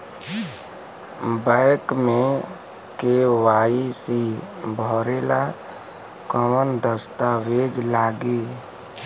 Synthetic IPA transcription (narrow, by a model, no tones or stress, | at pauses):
bəɪkmẽ | kewaːisi | bʱɔːɾela | kəmənd̪əst̪aʋed͡ʒlaːɡi